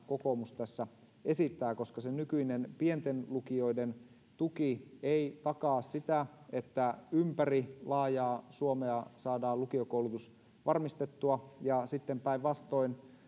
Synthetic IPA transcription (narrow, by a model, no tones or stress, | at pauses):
kokomust̪æsːæ | esit̪ːæːkoskɑsenykyinenpient̪enlukio̞iden | t̪ukieit̪ɑkɑːssit̪æet̪ːæympærilɑːjɑːsuomeɑsɑːdɑːlukiokoulut̪us | ʋʔɑrmist̪et̪ːuɑjɑsit̪ːempæiʋʋɑst̪oin